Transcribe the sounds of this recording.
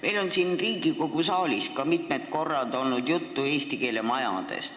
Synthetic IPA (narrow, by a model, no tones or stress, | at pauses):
me̞jlo̞nsinriːɡiko̞ɡ̥usɑːlʲiskɑmit̪̚met̪̚ko̞rːɑd̪o̞lnud̪̥jut̪ːue̞ːst̪ike̞ːlemɑjɑ̰d̪̥e̞̰st̪